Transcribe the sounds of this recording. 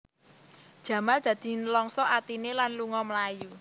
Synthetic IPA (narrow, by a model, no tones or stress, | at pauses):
d̥ʒ̥ä̤mald̪̥ä̤d̪̥i̤nəlɔŋsɔʔat̪inelanluŋɔmlaju